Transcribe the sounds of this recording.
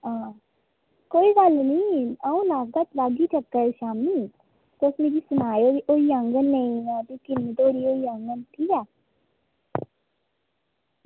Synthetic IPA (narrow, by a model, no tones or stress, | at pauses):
ãː | koːiːɡəlnĩːaːũːlakɡ̪aːt̪laːɡiːt͡ʃəkːəɾʃaːmniː | t̪ːʊsmeɾiːsʊnaːjooːiəŋɡənːəĩɛːd̪iːkɪlmət̪oːɾiːoːiəŋɡənt̪ʰiːɛː